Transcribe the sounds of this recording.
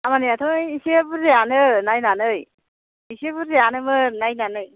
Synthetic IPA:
amaniat̪ʰɯŋjisebɯzeanɯnajnanɯj | isepɯɾzeanɯmɯnajnanɯj

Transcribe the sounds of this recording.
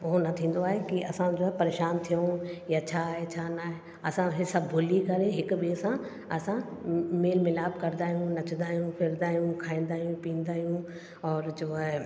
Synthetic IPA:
ʊɦonɐt̪ʰĩːn̆d̪oaːɦekiʔɐsãd͡ʑoːɦɛpɐɾeːʃaːnt̪ʰijojat͡ɕʰaːɦet͡ɕʰaːnaːɦe | ɐsãɦɪsɐbbʱʊlikɐɾẽɦɪkʊɓiəsã | ɐsãmeːlmɪlaːbkɐɾd̪aːɦijũnɐt͡ɕʰə̃nd̪aːɦijũfʰɪɾd̪aːɦijũkʰaːĩːnd̪aːɦijũpĩːn̆d̪aːɦijũ | ɔːɾd͡ʑoːe

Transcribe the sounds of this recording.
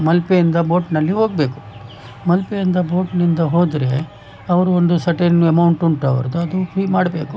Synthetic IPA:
mɐlpeind̪ɐbo̞ːʈnɐlːiɦo̞ːɡ̚be̞ːku̥ | mɐlpejind̪ɐbo̞ːʈnind̪ɐɦo̞ːd̪ɾe̞ | ɐʋɐɾuond̪usɐʈeːnemɐwɳʈuɳʈɐ̰ʋɐ̰ɾɐd̪uɐd̪upʰɾiːmaːɽbe̞ːku

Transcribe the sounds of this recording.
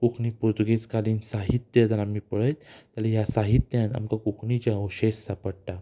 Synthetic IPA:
kukʰnipuɾt̪uɡeskaliːnsaɦit̪ːjəd̪aɾamipəɭəjt̪t̪alijasaɦit̪ːjãt̪a̰mkakukʰnit͡ɕjaoɕessapəɽʈ̪a

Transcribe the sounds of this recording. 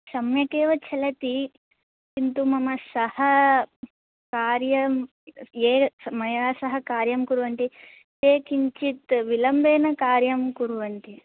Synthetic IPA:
sɐmjɐkeːʋɐt͡ʃʰɐlɐt̪i | kint̪umɐmɐsɐhɐ | kaːɾjɐm | eːmɐjaːsɐɦɐkaːɾjɐmkuɾuʋɐɳʈi | t̪eːkiɲt͡ʃit̪ʋilɐmbeːnɐkaːɾjɐmkuɾuʋɐɳʈi

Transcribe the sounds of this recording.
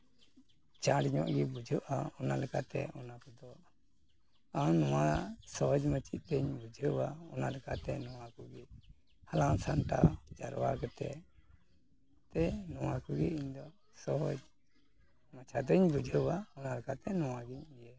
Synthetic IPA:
t͡ʃaɽɲɔ̰ʔɡibud͡ʒʱuʔaɔnalɛkat̪ɛ̰ɔnakɔd̪ɔ | awnɔwasɔɦɔd͡ʒmət͡ʃit̪̚t̪əɲbud͡ʒʱəwaɔnalɛkat̪ɛ̰nɔwakɔɡɛ | halãŋsanʈa̰d͡ʒa̰ɾwa̰kɛt̪ɛ̰ | t̪ɛnɔwakɔɡɛ̰iɲd̪ɔ | sɔɦɔd͡ʒ | mat͡ʃʰad̪əɲbud͡ʒʱəwaɔnalɛkat̪ɛnɔwaɡiɲijɛ

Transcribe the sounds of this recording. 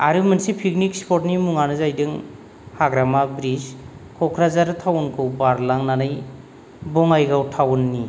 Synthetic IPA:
aɾɯmɯnsipʰik̚nikspʰɔtnimuŋanɯzajdɯŋ | haɡɾamabɾizkʰɔkʰɾazaɾɯtʰawɔnkʰɯwbaɾlaŋnanaj | bɔŋajɡawtʰawnːi

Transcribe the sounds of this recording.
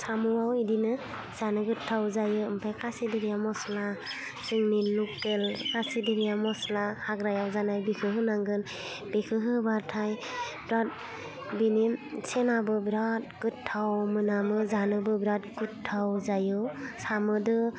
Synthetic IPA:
samuwawidinɯ | z̥anɯɡɯtʰːawzajɯɯmpʰajkʰasidiɾijamɔsla | sɯŋninːukːelkasidiɾijamɔslahaɡɾajawzanajbikʰɯɦɯnaŋɡɯn | b̥ekʰɯɦɯbaɾtʰajbɾat̚ | binimsenabɯbɾat̚ɡɯtʰːawmɯnamɯzanɯbɯbɾat̚ɡɯtʰːawzajɯsamɯdɯ

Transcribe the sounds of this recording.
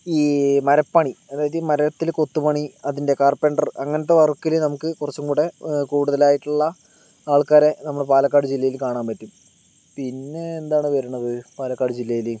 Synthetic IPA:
iːmɐɾɐpːɐɳiɐðaːjɐðɨmɐɾɐt̪ːilko̞t̪ːupɐɳiɐðinde̞kaːrpeɳɖɐrɐŋːɐnɐt̪ːeʋɐrkːilnɐmukːɨkurɐt͡ɕːumkuːɽekuːɽuðɐlaːjiʈːuɭːɐ | aːɭkaːɾe̞nɐmːɐɭpaːlɐkːaːɽɨd͡ʑilːɐjilkaːɳaːnpɐtːum | pinːe̞ːnd̪aːɳɨʋɐɾuɳːɐʋɨpaːlɐkːaːɽɨd͡ʑilːɐjilɨ

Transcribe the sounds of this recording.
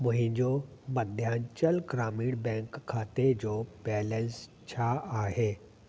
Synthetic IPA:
mʊ̃ɦɪ̃ɲd͡ʑoːmɐd̪ʱjaːnt͡ɕəlɡɾaːmiːɽbɛ̃ːŋkʰːaːt̪ed͡ʑoːbɛːlə̃ns | t͡ɕʰaaːɦeː

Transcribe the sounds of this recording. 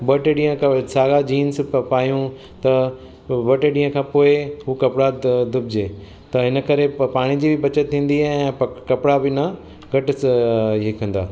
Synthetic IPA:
bɐʈeɗĩːə̃ksaːɡad͡ʑiːnspaːjũ | t̪ɐ | bɐʈeɗĩːə̃kʰãːpoːɪɦukɐpɽad̪ʊbd͡ʑeː | t̪ɐɦɪnə̆kɐɾepaːɽ̃id͡ʑiːbɪbɐt͡ɕət̪̚ʰːĩːn̆d̪iɛ̃pɐkɐpɽabɪnɐ | ɡɐʈɪɦekʰə̃n̆d̪aː

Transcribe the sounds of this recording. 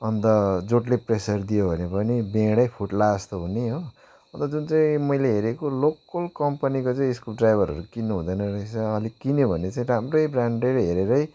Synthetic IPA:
ʌnt̪ʌd͡zoʈlepresʌrd̪ijobʱʌnepʌnibẽɽʌjpʰuʈlast̪oɦuneɦo | ʌnt̪ʌd͡zunt͡saĩmʌjleɦeɾekolokʌlkʌmpanikot͡saĩeskuɖrajbʱʌɾʌ̰ɾukinːuɦũd̪ʌjnʌɾʌisʌʌlikinebʱʌnet͡saĩɾamrʌjbraɳɖeɾɦeɾeɾʌj

